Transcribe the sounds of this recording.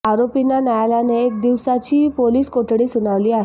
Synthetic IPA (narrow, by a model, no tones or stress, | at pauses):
aɾopinːanajalaneːk̚d̪iʋsat͡ɕiːpoliːskoʈɽiːsunaʋliːaɦe